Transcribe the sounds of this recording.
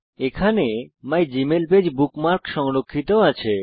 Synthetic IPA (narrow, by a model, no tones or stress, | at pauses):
ekʰanemajd͡ʑimelbed͡ʑbukmaɾkʃɔŋɾokʰːit̪oat͡ɕʰe